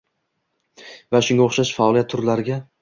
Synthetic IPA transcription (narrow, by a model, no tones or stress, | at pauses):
vaʃʊŋɡʲoχʃaʃfaɒlˠiat̪ʰːʊɾlaɾɪɡʲa